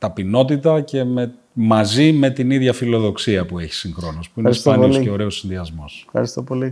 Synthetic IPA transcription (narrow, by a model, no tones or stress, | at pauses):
t̪ɐpino̞t̪it̪ɐce̞me | mɐzime̞t̪iniðʝɐfilo̞ðo̞ksiɐpue̞çi̥siŋxɾo̞nospuinespɐniooce̞o̞ɾe̞o̞sinðiɐzmo̞sxɐ̰ɾist̪opoli